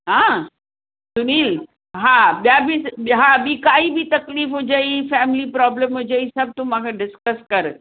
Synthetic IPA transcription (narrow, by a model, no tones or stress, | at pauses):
ɦã | sʊniːl | ɦãɓjabʱiɦãbʱikaːibʱit̪ɐkliːfɦod͡ʑaifɛːmɪlipɾɔbləmɦʊ̃d͡ʑəisɐb̚t̪ʊm̤ãkʰeɖɪskəskɐɾ